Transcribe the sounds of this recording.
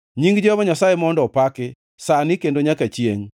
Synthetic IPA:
ɲiŋɡd͡ʒɔβɔɲasajemɔndɔpakɪ | sanɪkendoɲakat͡ʃjeŋ

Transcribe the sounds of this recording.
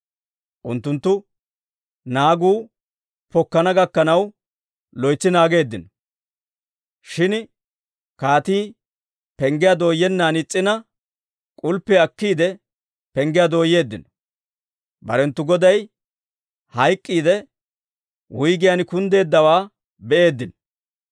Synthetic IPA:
ʔʊnt̪ːʊnt̪ːʊ | naːɡuː | pɔkːɐnɐɡɐkːɐnɐw | lɔjt͡sːɪnaːɡe̞ːd̪ːɪnɔ | ʃɪn | kaːt̪iː | pɛŋɡɪjad̪o̞ːjːɛnːaːnɪt͡sʼːɪnɐ | kʼʊlpːɛɐkːiːd̪ɛ | pɛŋɡɪjad̪oːjːe̞ːd̪ːɪnɔ | bɐ̰ɾɛnt̪ːʊɡɔd̪ɐj | hɐjkʼːiːd̪ɛ | wʊjɡɪjankʊnd̪e̞ːd̪ːɐwaː | bɛʔe̞ːd̪ːɪnɔ

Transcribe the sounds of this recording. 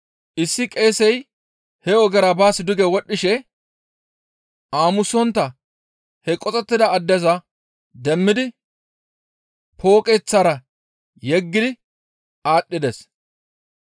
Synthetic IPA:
ʔɪsːɪkʼe̞ːsɛj | hɛɔɡɛɾɐbaːsɪd̪ʊɡɛwɔɗːɪʃɛ | ʔaːmʊsɔnt̪ːɐ | hɛkʼɔt͡sʼɛt̪ːɪd̪ɐːd̪ːɛzɐ | d̪ɛmːɪd̪ɪ | pʰo̞ːkʼɛt͡sːaːɾɐ | jɛɡːɪd̪ɪ | aːɗːɪd̪ɛs

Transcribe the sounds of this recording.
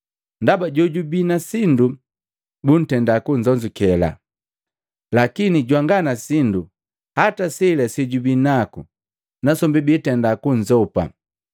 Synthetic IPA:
ndabaɟɔɟubinasindu | bun̩tɛndakuɲd͡ʒɔɲd͡ʒukɛla̰ | lakiniɟwaŋɡanasindu | hatasɛlɛsiɟubinakṵ | nasɔmbibitɛndakuɲd͡ʒɔpa̰

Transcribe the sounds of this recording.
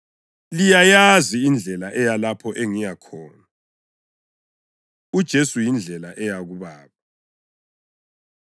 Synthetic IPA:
lijajaziːnd͡ɮʱɛlaʔɛjalapʰɔʔeŋijakʰɔːna | ud̥ʒ̥ʱesujind͡ɮʱɛlaʔɛjaɣuβaːkʰɔ

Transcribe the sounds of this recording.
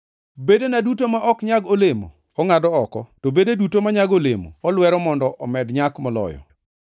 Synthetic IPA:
bedenadutomaʔɔkɲaɡolemo̰ | ɔŋadɔɔkɔtobededutomaɲaɡolḛmo̰ɔlwɛɾɔmɔndɔʔɔmɛdɲakmɔlɔ̰jɔ̰

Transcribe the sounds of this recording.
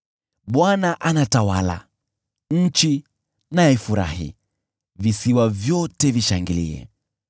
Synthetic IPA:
ɓwanaʔanatawala̰ | ɲ̩t͡ʃi | naɛfuɾa̰hḭ | visiwavjɔtɛviʃaŋɡilḭɛ̰

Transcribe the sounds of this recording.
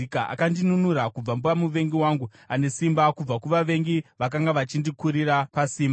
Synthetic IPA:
kaʔa̰kandinunuɾakub͡vambuʋamuʋe̞ŋɡiwaŋɡu | ane̞simbakub͡vakuʋaʋe̞ŋɡiʋak̬aŋɡaʋat͡ʃindikuɾirapasiːma

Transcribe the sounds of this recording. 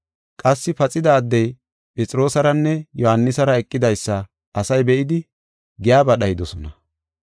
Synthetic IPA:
kʼɐsːɪpɐt͡sʼɪd̪ɐːd̪ːɛj | pʼɛt͡sʼɪɾoːsɐɾɐnːɛjɔhɐnːɪsɐɾɐɛkʼːɪd̪ɐjsːɐː | sɐjbɛʔɪd̪ɪ | ɡɪjaːbɐɗɐjɪd̪ɔsɔnɐ

